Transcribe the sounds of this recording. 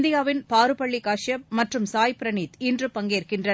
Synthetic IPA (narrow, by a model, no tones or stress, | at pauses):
nd̪ɪjaːʋɪnpaːɾɯpɐɭːikaːʂjɐmɐʈrɯmsaːjpɪɾɐniːt̪ɪndrɯpɐŋɡeːrkɪndrɐ